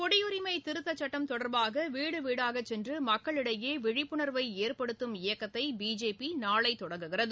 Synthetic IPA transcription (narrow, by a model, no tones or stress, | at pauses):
kɔɽɪjʊɾɪmɐɪt̪ɪɾɯt̪ːɐt͡ʃːɐʈːɐmt̪ɔɽɐɾbaːɣɐʋiːɽɯʋiːɽaːɣɐt͡ʃːɛndrɯmɐkːɐɭɪɽɐjeːʋɪɻɪpːɯɳɐɾʋɐɪeːrpɐɽɯt̪ːɯmɪjɐkːɐt̪ːɐɪbiːd͡ʒeːpinaːɭɐɪt̪ːɔɽɐŋɡɯɣɪrɐðɯ